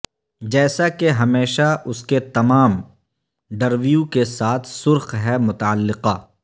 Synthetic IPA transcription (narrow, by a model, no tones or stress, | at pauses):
d͡ʒɛːsakeɦɐmeːʃaʊsket̪ɐmaːm | ɖɐɾʋijukesaːt̪ʰsʊɾxɦɛmʊt̪aəlːɪqaː